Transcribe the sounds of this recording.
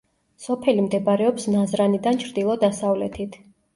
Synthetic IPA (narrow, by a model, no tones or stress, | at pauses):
sɔpʰɛlimd̪ɛbaɾɛɔpsnazɾanid̪ant͡ʃʰɾd̪ilˠɔd̪asavlɛt̪ʰit̪ʰ